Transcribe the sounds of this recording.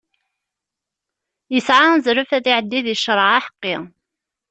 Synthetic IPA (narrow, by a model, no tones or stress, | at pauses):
jəsʕazɾəfæðiʕəd̪ːiðjəʃːɾˤəʕaħə̥qːi